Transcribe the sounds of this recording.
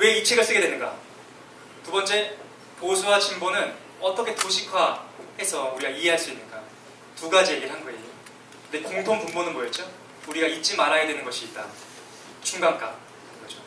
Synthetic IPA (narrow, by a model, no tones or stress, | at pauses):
we̞it͡ɕʰiɡɯɭs͈ɯɡe̞dwe̞nɯnɡa̰ | tubʌnt͡ɕ͈e̞ | posʰuwat͡ɕimbonɯn | ʌt͈ʌkʰe̞toɕʰikʰwahe̞sʰʌuɾiɡaiɦe̞ɦaɭs͈uinːɯnɡ͈a | tuɡad͡ʑije̞ɡiɭɦanɡʌe | kɯnde̞koŋtʰoŋpuŋbonɯnbojʌtt͡ɕ͈o | uɾiɡait͡ɕ͈ʰimaɾaɡedwe̞nɯnɡʌɕʰiːt̚t͈a | t͡ɕuŋɡaŋk͈a̰ | ŋɡʌd͡ʑo